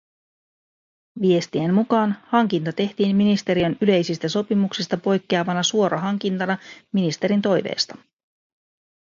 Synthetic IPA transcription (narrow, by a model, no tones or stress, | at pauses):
ʋie̞st̪iemmukɑːnhɑŋkint̪ɑt̪e̞ht̪iːmminist̪e̞ɾiønyle̞jsist̪æso̞pimuksist̪ɑpo̞jkːeɑʋɑnɑsuo̞ɾɑɦɑŋk̟int̪ɑnɑminist̪e̞ɾint̪o̞jʋḛːst̪ɑ̥